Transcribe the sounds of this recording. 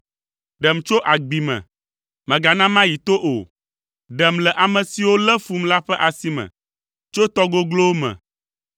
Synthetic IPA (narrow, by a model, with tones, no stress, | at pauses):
ɖɛ˨m̩˨t͡ʃo˦ʔa˨ɡ͡bi˨mɛ̰̃˨ | mɛ̃˨ɡa˨nã˦mã˦ji˨t̪o˦ʔo˨ | ɖɛ˨m̩lɛ˨ʔa˨mɛ̃˨si˨wo˦lɛ˦fu˦m̩la˦ɸɛ˦ʔa˨si˦mɛ̰̃˨ | t͡ʃo˦t̪ɔ˦ɡo˦ɡlo˦mɛ̰̃˨